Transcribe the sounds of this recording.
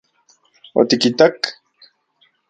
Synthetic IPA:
o̰t̪ikit̪ak

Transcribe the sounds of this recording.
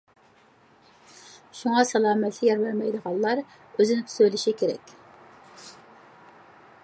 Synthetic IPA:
ʃuŋɑsɑlˠɑːmɛt̪ʰlɪjɛɾvæɾmɛjd̪əʁɑlˠlˠɑɾ | øzɪnɪt̪ʰy̥søjlɪʃikʲʰeɾɛ̰kʲ

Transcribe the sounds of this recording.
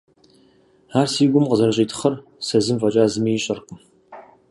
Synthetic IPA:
aːrsiːɡʷʊmqəzɐrɐɕʼiːtʰɨ̥χɐr | sɐzɨmvɐt͡ʃʼaːzɨmijɕʼɐrqʷʊm

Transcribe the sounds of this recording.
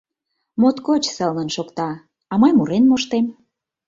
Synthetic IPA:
mot̪kot͡ɕsələnʃokt̪ɑ | ɑməjmuɾenmoʃt̪em

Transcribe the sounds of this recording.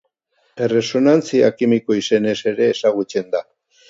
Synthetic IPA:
ere̞so̞nant͡siakimiko̞ise̞ne̞se̞ɾe̞ːsaɣ̞ut͡se̞nd̪a

